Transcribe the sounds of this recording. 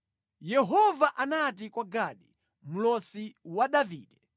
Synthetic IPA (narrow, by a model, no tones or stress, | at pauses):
jɛɦɔvaʔanat̬ikwaɡaɗi | m̩lɔsiwaɗaviːɗɛ